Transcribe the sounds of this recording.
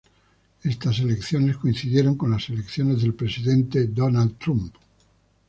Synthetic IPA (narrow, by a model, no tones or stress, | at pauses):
e̞st̪as̬e̞le̞kθjo̞ne̞sko̞inθiðje̞ɾo̞ŋkõ̞nlase̞lekθjo̞ne̞zðe̞lpɾe̞siðẽ̞nt̪e̞d̪o̞nald̪t̪ɾump